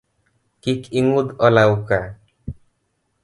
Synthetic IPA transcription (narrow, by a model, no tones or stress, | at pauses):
kikiŋud̪ɔlawka